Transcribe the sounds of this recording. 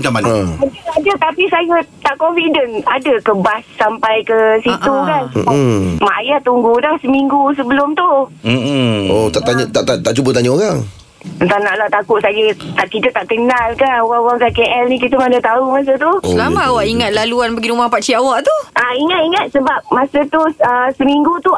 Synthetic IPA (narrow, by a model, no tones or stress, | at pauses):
t͡ʃamanaad͡ʒəad͡ʒat̪apisajat̪aʔkɔnfidənadəkəbasːampajkəsit̪ukan | maʔajat̪uŋɡudahsəmiŋɡus̬əbəlʊmt̪u | ot̪aʔt̪aɲat̪aʔt̪at̪aʔt͡ʃubət̪̬aɲaoɣaŋ | ənt̪anaʔlaht̪akʊt̪̚sad͡ʒət̪aʔkit̪ət̪aʔkənalkanowaŋowaŋkakeʔɛlnikit̪əmadat̪aumas̬ət̪ulamaawaʔiŋat̪̚laluanbəɡiɾumahpat͡ʃiawaʔt̪uʔaiŋat̪̚iŋat̪̚səbap̚masat̪uəsəmiŋɡut̪u